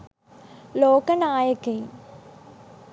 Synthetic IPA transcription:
loːkɐnaːjɐkːɐj

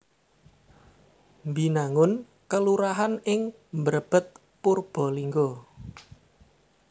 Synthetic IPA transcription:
mbinaŋʊn | kəluɾaɦanɪŋ | mbəɾəb̥ə̤t̪̚ | purb̥ɔ̤liŋɡo

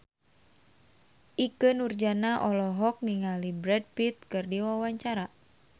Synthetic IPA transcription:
ʔikɨnurd͡ʒanaʔɔlɔɦɔk̚niŋalibɾɛd̚pit̪̚kɨrdiwawaɲt͡ʃaɾa

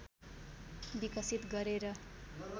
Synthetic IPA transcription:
bikʌsit̪ɡʌɾeɾʌ

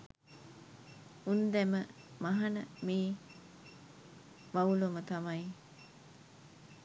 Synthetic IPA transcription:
und̪ɛmə | maɦanəmiː | ʋaulomət̪amaj

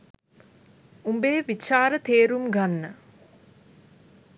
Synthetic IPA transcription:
umbeːʋit͡ʃaːɾət̪eːɾumɡanːə

